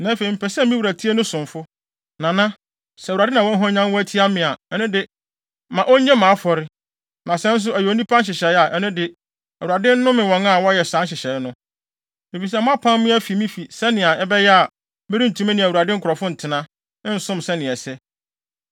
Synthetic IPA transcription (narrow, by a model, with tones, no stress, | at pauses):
nã˨˦fe˨i˨m̩˨pɛ˨sɛ˦mĩ˦wu˨ɾæ˨tʰi˦e˦nʊ̃˦sʊ̃˨mfʊ˦ | nã˨nã˦ | sɛ˨a˨dɪ˦nã˨wɔ̃˦n˦ɦɔ̃˦ɲã˦nwɔ˦æ˦tʰi˦a˦mɪ̃˨a˨ɛ˦nʊ̃˦dɪ˨ | mã˨ʔɔ˦ɲɛ̃˦mã˨˦fɔ˨ɾɪ˦ | nã˨sɛ̃˦n̩˦s̬ʊ˦æ˨jɛ˨o˨˦nĩ˦pʰã˦n˦ɕ̬ɪ˨ɕɛ˨˦a˨ʔɛ˦nʊ̃˦dɪ˨ | æ˨wu˨a˨dɪ̃˦n̩˦nʊ̃˦mɪ̃˨wɔ̃˨˦na˦˨wɔ˦jɛ˨sã˨˦ɕ̬ɪ˨ɕɛ˨˦nʊ̃˦ | e˨fi˨s̬ɛ˦˨m̃˦a˦pʰã˦mmɪ̃˦æ˦fi˨mĩ˦fi˨sɛ˦nɪ̃˨a˨ɛ˦bɛ˦jɛ˦a˨ | mɪ˦ɾi˦n̩˨tʰũ˨mɛ̃˦nɪ̃˨æ˨u˨a˨dɪ̃˦ŋ̩˦kʰʊ˨ɾɔ˨fʊ̃˦n̩˨tʰɪ˨nã˦ | n̩˦sʊ̃˦msɛ˦nɪ̃˨ɛ˨sɛ˦